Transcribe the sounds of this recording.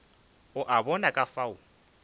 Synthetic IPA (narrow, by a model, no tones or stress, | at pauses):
ʊʔabɔnakʼafaʊ